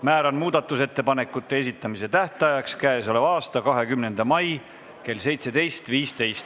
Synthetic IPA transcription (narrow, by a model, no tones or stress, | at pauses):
mæːɾɑnmuːd̪̥ɑt̪ːˑuse̞t̪ːe̞pɑne̞kːˑut̪ːe̞esit̪ˑːɑmise̞t̪æht̪ɑjɑkskæeso̞levɑːst̪ɑkɑɦe̞kymne̞nd̪̥ɑmɑj | ke̞lse̞jt̪se̞d̪e̞jst̪viːst̪e̞jst̪